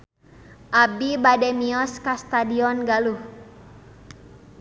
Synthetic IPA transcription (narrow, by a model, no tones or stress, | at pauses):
ʔabibadɛmiɔskast̪adiɔnɡaluh